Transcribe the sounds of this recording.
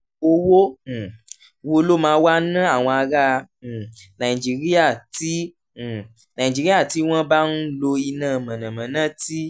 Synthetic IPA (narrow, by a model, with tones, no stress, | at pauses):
wo˧wo˦˨˧ | wo˦lo˦mãː˧˦wa˦nã˦a˦˨w̃ɔ̃˧a˧ɾa˦˧˨ | nã˨i˨d͡ʒi˨ɾi˦a˦˨ti˦˨ | nã˨ĩ˨d͡ʒi˨˦ɾi˦a˦˨ti˨˦w̃ɔ̃˦ba˦n̩˦lo˧i˧nã˦˨mã˨nã˨mã˨nã˦˨ti˦